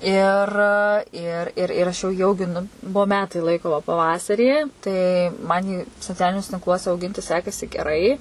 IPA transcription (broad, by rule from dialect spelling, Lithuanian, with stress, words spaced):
ɪr ˈɪr ɪr ɪr ˈɐʃ jɛʊ jiː ɐʊɡʲɪˈnʊ ˈbuɔ ˈmʲæːtɐɪ ˈlˠɐɪkoː ʋɐ pɐˈʋɑːsɐrʲiː tɐɪ ˈmɐn jiː soːˈt͡sʲæːlʲɪnʲuɔsʲɛ tʲɪŋkˈlˠuɔsʲɛ ɐʊˈɡʲɪnʲtʲɪ ˈsʲæːkɐsʲɪ ɡʲɛˈrɐɪ